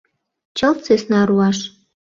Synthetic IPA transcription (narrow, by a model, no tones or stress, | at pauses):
t͡ɕəlt͡sesnɑɾuɑʃ